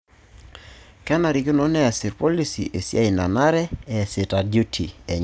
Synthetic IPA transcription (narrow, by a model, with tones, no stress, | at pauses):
kɛ˦na˨ɾi˨kɪ˦nɔ˦nɛ˦a˨sɪ˨ɾpɔ˦li˦sḭ˨ʔe˨sja˦i˨na˨na˦ɾɛ˦ɛ˨sɪ˨ta˨dju˦tʰi˨ɛ˨ɲ